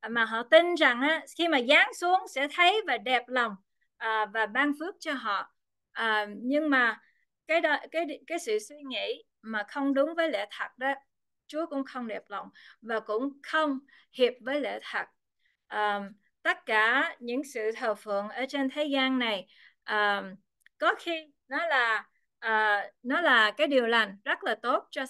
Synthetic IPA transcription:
maː˨˩ɦɔ̰˧˨t̪i˧nza˨˩ŋʔaː˨˦xi˧maː˨˩zaː˨˦ŋsu˨˦əŋsɛ̰˧˥t̪ʰə˨˦jvaː˨˩ɗɛ˨˩p̚lə˨˩wŋ͡m | ʔəː˨˩vaː˨˩ɓaː˧ŋfɨ˦˥ək̚t͡ɕɔ˧ɦɔ̰˧˨ | ʔəː˨˩ɲɨ˧ŋmaː˨˩ | kaː˨˦jɗkaː˨˦jkaː˨˦jsɨ̰˧˨swi˧ŋḭ˧˥ | maː˨˩xə˧wŋ͡mɗʊ˨˦ŋ͡mvəː˨˦jlḛ˧˥t̪ʰə˨˩t̚ɗɔ˨˦ | t͡ɕu˨˦əkʊ̰˧˥ŋ͡mxə˧wŋ͡mɗɛ˨˩p̚la˨˩wŋ͡mvaː˨˩kʊ̰˧˥ŋ͡mxə˧wŋ͡m | hi˨˩əp̚vəː˨˦jlḛ˧˨t̪ʰə˨˩t̚ | ʔəː˨˩ | t̪ə˦˥t̚kaː˧˩ɲɨ̰˧˥ŋsɨ̰˧˨t̪ʰəː˨˩fɨ̰˧˨əŋʔəː˧˩t͡ɕe˧nt̪ʰe˨˦zaː˧nːa˨˩j | ʔəː˨˩ | kɔ˨˦xi˧ | nɔ˨˦laː˨˩ | ʔəː˨˩nɔ˨˦laː˨˩kaː˨˦jɗi˨˩əwla˨˩jŋ̟zə˦˥t̚laː˨˩t̪o˦˥t̚t͡ɕɔ˧

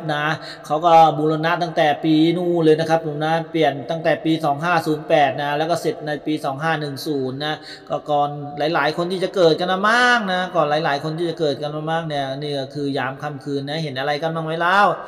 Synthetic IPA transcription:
p̚na˦˥ | kʰa˦˥wkɔː˥˩buː˧lo˧na˦˥t̪a˥˩ŋt̪ɛː˨˩piː˧nuː˥˩lɤː˧jna˦˥kʰa˦˥p̚ʰːo˨˩˦mna˦˥pli˨˩ənt̪a˥˩ŋt̪ɛː˨˩piː˧sɔː˩˦ŋɦaː˥˩suː˩˦npɛː˨˩t̪̚na˦˥lɛː˦˥wkɔː˥˩se˨˩t̪̚na˧jpiː˧sɔː˩˦ŋɦaː˥˩nɯ˨˩ŋsuː˩˦nːa˦˥ | kɔː˥˩kɔː˨˩nlaː˨˩˦jlaː˩˦jkʰo˧nt̪ʰiː˥˩t͡ɕa˨˩kɤː˨˩t̪̚ka˧nmaː˧maː˥˩k̚na˦˥kɔː˨˩nlaː˩˦jlaː˩˦jkʰo˧nt̪ʰiː˥˩t͡ɕa˨˩kɤː˨˩t̪̚ka˧nmaː˧maː˥˩k̚ni˥˩ɐniː˥˩kɔ˥˩kʰɯː˧jaː˩˦mkʰa˧mkʰɯː˧nːa˦˥ɦe˩˦nʔa˧ɾa˧jka˧nmaː˧˥˩ŋma˦˥˩jlaː˦˥˩w

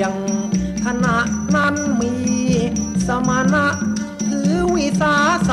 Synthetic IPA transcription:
a˧˩ŋkʰa˧na˨˩˦ʔna˧˩nmiː˧ | sa˧ma˧˦na˧˥ʔ | t̪ɯː˨˩˦wi˧saː˧˥sa˧

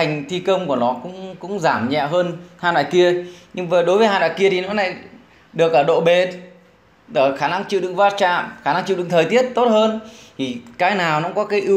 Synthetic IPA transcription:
a˨˩jŋ̟t̪ʰi˧kə˧wŋ͡mku˧˩ənɔ˨˦kʊ̰˧˥ŋ͡mkʊ̰˧˥ŋ͡mzaː˧˩mɲɛ̰˧˨ɦəː˧nhaː˧na̰ː˧˨jki˧əɲɨ˧ŋvəː˨˩ɗo˨˦jvəː˨˦jhaː˧na̰ː˧˨jki˧ət̪ʰi˨˩nɔ˨˦na̰ː˧˨j | ɗɨ˨˩ək̚ʔəː˧˩ɗo̰˧˨ɓe˨˩ | ɗəː˧˩xaː˧˩na˧ŋt͡ɕḭ˧˨ɗɨ̰˧˨ŋvaː˧t̚t͡ɕa̰ː˧˨mxaː˧˩na˧ŋt͡ɕḭ˧˨ɗɨ̰˧˨ŋt̪ʰəː˨˩jt̪i˦˥ət̚t̪o˦˥t̚həː˧nt̪ʰi˨˩kaː˨˦jnaː˨˩wnɔ̰˧˥ŋ͡mkɔ˨˦kaː˨˦jʔɨ˨˧˦

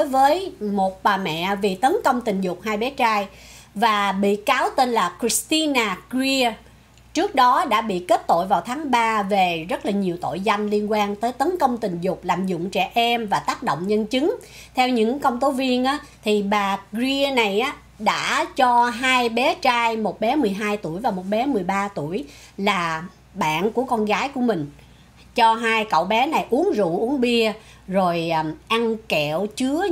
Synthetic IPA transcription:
o˨˦jvəː˨˦jmo˨˩t̚ɓaː˨˩mɛ̰˧˨vi˨˩t̪ə˨˦nkə˧wŋ͡mt̪ï˨˩ŋ̟zʊ˨˩k͡p̚haː˧jɓɛ˨˦t͡ɕaː˧j | vaː˨˩ɓḭ˧˨kaː˨˦wt̪e˧nlaː˨˩kɹi˨˦˥st̪i˧naː˨˩kzi˧ə | t͡ɕɨ˦˥ək̚ɗɔ˨˦ɗa̰ː˧˥ɓḭ˧˨ke˦˥t̚t̪o̰˧˨jvaː˨˩wt̪ʰaː˨˦ŋɓaː˧ve˨˩zə˦˥t̚laː˨˩ɲi˨˩əwt̪o̰˧˨jza˧jŋ̟li˧ənkwaː˧nt̪əː˨˦jt̪ə˨˦nkə˧wŋ͡mt̪ï˨˩ŋ̟zʊ˨˩k͡p̚laː˨˩mzʊ̰˧˨ŋ͡mt͡ɕɛ̰˧˩ʔɛ˧mvaː˨˩t̪aː˦˥k̚ɗo̰˧˨wŋ͡mɲə˧nt͡ɕɨ˨˦ŋ | t̪ʰɛ˧wɲɨ̰˧˥ŋkə˧wŋ͡mt̪o˨˦vi˧ənʔaː˨˦t̪ʰi˨˩ɓaː˨˩zi˧na˨˩jʔaː˨˦ | ɗa̰ː˧˥t͡ɕɔ˧ɦaː˧jɓɛ˨˦t͡ɕaː˧jmo˨˩t̚ɓɛ˨˦mɨ˨˩əjɦaː˧jt̪u˧˩əjvaː˨˩mo˨˩t̚ɓɛ˨˦mɨ˨˩əjɓaː˧t̪u˧˩əj | laː˨˩ | ɓa̰ː˧˨nku˧˩əkɔ˧nɣaː˨˦jku˧˩əmï˨˩ŋ̟ | t͡ɕɔ˧ɦaː˧jkə̰˧˨wɓɛ˨˦na˨˩jʔu˨˦əŋzṵ˧˨ʔu˨˦əŋɓi˧ə | zo˨˩jʔa˧ŋkɛ˧˨wt͡ɕɨ˨˦ə

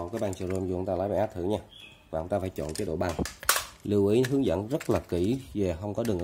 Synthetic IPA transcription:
nka˨˦ɓaː˧˩nt͡ɕi˧˩zo˧mzu˧˨˧wŋ͡mt̪aː˧laː˨˦ɓa˧˩ʔa˦˥t̚t̪ʰɨ̰˧˩ɲaː˧ | vaː˨˩ə˧wŋ͡mt̪aː˧faː˧˦jt͡ɕɔ̰˧˨nt͡ɕe˨˦ɗo̰˧˨ɓa˧˩ŋli˧wʔi˨˦ɦɨ˨˦əŋzə̰˧˥nzə˦˥t̚laː˨˩ki˧˩ve˨˩xə˧wŋ͡mkɔ˨˦ɗɨ˨˩ŋʔ

